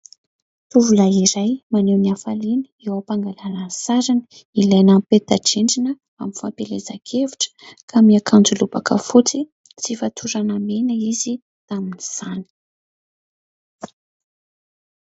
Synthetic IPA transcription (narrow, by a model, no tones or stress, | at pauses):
t̪uvulajiɾajmaneniafalini̥ewapaŋɡalaɾasaɾanə̥ | ilajnampet̪aʈ͡ʂeɳɖ͡ʐinə | aminfampelezakʰevuʈ͡ʂə̥kʰamiakʰand͡zulubakə̰fut͡si | t͡sifat̪ʰuɾanamenəizi | t̪aminiz̥ani̥